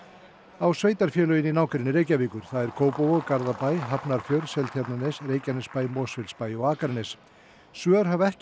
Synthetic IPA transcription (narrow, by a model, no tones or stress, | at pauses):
awsveːjt̪aɾ̥fjɛːlœjɪninaːwkɾɪnɪɾeːjcaviːkʏɾ̥θaðɛɾ̥kʰoːwpɔwɔɣkaɾðapajɦapnaɾ̥fjœɾsɛlt̪ʰçapt̪nanɪsreːjcanɪspajmɔːsfɪlspajɔɣaːkaɾnɪs | svœːɾ̥ɦavɛhc